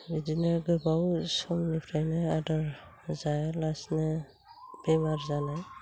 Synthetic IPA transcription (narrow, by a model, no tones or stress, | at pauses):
bidinaɡɯbawsɔmnipʰɾajnaadaɾ | zajlasna | b̥emaɾzanaj